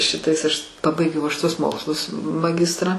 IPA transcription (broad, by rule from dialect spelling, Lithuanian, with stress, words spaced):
ˈʃʲɪtɐɪs ɐʃ ˈpɑːbɐɪɡʲɛʊ ɐʃ tuɔs ˈmoːkslˠʊs mɐˈɡʲɪstrɑː